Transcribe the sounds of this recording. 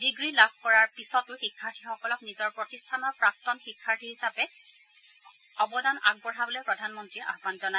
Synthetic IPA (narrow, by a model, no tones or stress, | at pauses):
diɡɹilab̚ʱkɔɹaɹpisɔtʊxikʰːaɹtʰixɔkɔlɔknizɔɹpɹɔtistʰanɔɹpɹak̚tɔnxikʰːaɹtʰiɦisapɛ | ɔbɔdana̰ɡ̚bɔɹɦabɔlɔpɹɔdʱanmɔntɹiʔa̰ɦbanzɔna